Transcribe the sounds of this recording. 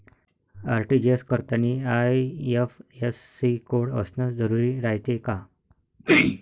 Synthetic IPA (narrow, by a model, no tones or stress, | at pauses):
aɾʈid͡ʑeskəɾt̪aniajefesːikoɽə̰snəd͡zəɾuɾiːɾajt̪eka